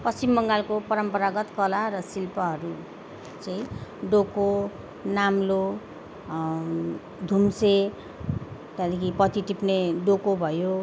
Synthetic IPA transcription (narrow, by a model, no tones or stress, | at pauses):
pʌst͡simːʌŋɡalkopʌɾʌmpʌɾaɡʌt̪kʌlaɾʌsilpʌɦʌɾu | t͡sʌĩɖoko | namlo | d̪ʱumse | t̪ad̪ikipʌt̪iʈipneɖokobʱʌjo